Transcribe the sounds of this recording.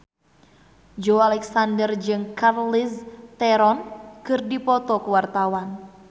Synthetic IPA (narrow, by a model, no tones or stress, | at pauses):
d͡ʒoalɛksandərd͡ʒɨŋkarlist̪ɛɾɔnkɨrdipɔt̪ɔkuwart̪awan